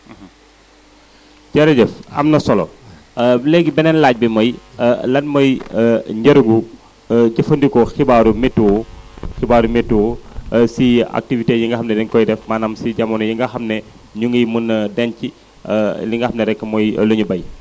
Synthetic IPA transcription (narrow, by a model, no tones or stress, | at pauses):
ɟɐɾɐdɛfɐ̰mnɐsɔlɔ | lɛɡibɛnɛnlaːc̚bimɔjlɐnmɔjɲɟɐɾuŋɡu | ɟɐfəndikɔxibaːɾumɛtːuxibaːɾumɛtːuwsia̰k̚tivitejiŋɡɐxɐmnɛdɛnkɔjdɛfmaːnɐmsiɟɐmɔnɐjiŋɡɐxɐmnɛ | ɲuŋɡɐjmunːədɛnci | liŋɡɐxɐmnɛɾɛkːəmɔj̰lɐɲubɐj